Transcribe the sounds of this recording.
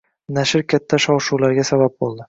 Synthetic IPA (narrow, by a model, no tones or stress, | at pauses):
naʃɪɾkʲʰat̪ʰːaʃɒwʃuwlaɾɡʲasabab̚bolˠd̪ɪ